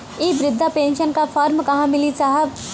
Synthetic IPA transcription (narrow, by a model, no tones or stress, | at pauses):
iːʋɾɪd̪ʱːapẽːnʃənkafʰaːɾmkɐɦãmɪlisaːɦəb